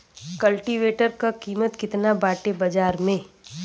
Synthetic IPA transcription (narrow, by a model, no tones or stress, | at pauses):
kɐlʈiʋeːʈəɾkakiːmət̪kɪt̪nabaːʈebɐd͡ʒaːɾmẽ